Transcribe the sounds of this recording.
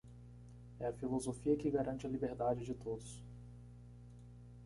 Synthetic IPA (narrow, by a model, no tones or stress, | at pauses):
ɛɐfilozofiɐkɪɡaɾʔɐ̃nt͡ʃɪɐlibeɾd̪ad͡ʒɪd͡ʒɪt̪od̪ʊs